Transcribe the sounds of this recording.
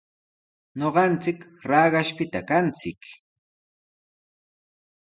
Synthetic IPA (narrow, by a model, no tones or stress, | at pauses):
ɲoɢɑnt͡sɪkɾɑːɢɑʃpɪt̪akant͡sɪk